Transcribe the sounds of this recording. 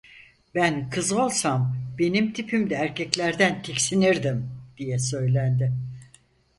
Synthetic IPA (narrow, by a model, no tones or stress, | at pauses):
bænkʰɯzɯo̞lˠsambe̞nimt̪ʰipʰimd̪ɛːɾcʰɛclʲæɾd̪ænt̪ʰicsiniɾd̪imd̪̥ijɛsø̞jlʲænd̪ɪ